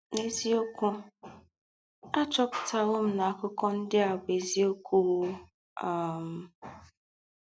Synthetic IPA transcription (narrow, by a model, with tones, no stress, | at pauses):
ne˦zi˦o˦kʷu˦ | a˦t͡ʃɔ˦pta˨lʊ˦m̩˦na˨a˦˨kʊ˦kɔ˦n̩˦dɪ˦a˨be˨zi˦o˦kʷu˦ | a˨m̩˨